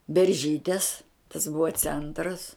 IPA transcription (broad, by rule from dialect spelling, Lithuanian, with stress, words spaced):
bʲɛrʲˈʒʲiːtʲeːs tɐs ˈbʊʋɐ ˈt͡sʲɛntrɐs